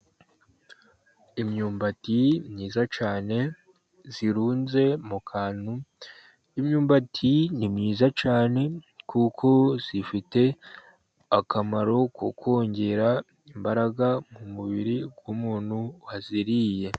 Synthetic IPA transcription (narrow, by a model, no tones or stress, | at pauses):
imɲuːmbatimɲiːzat͡ʃaːne̞ | z̥iɾuːnze̞mukʰaːn̥hu | imɲuːmbatʰinimɲiːzat͡ʃaːne̞kʰukʰo̞z̥ifite̞ | akamaɾo̞ko̰kʰo̞ːɲɟe̞ɾa | imbaɾaɡamumuβiɾiɡ̥wumuːnhuhaziɾije̞